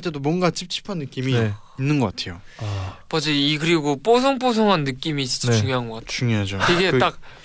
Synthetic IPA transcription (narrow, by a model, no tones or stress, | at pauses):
t͈e̞domwʌnɡat͡ɕip̚t͡ɕʰi̥pʰʌnːɯk͈imie | inːɯnɡʌk͈atʰe̞jopad͡ʑiikɯɾiɡop͈os̬ʰʌŋp͈osʰoŋɦanːɯk͈imiːs͈t͡ɕiuŋjoɦanɡʌk͈atʰuŋjoɦad͡ʑoiɡet͈ak̚